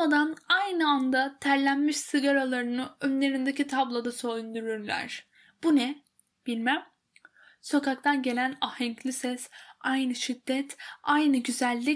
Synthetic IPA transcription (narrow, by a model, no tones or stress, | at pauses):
ad̪anajnɯand̪at̪ʰæɾlʲænmiʃsɯɡaɾalˠaɾɯnɯønlʲe̞ɾind̪ecit̪ʰablˠad̪aso̞jund̪uɾyɾlʲæ̰ɾ̥ | b̥unɛ | b̥ilʲmæm | so̞kak̚t̪ʰanɟe̞lʲænahɛɲclʲisɛsajnɯʃid̪ːɛt̪ajnɯɟyzælʲːi